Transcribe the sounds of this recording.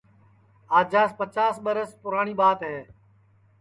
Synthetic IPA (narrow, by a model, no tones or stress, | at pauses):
aːd͡ʒaːspət͡ʃaːsɓəɾəspʊɾaːɳiːɓaːt̪ɦeː